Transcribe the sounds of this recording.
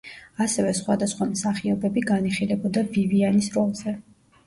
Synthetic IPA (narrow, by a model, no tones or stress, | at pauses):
asɛvɛsχwad̪asχwamsaχiɔbɛbiɡaniχilɛbɔd̪abivianisɾɔlˠzɛ